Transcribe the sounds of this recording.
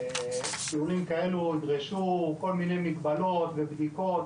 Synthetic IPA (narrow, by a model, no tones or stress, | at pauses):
ʃiulimkae̞luidʁeʃuko̞lminejmikbalo̞t̪vebd̪iko̞t̪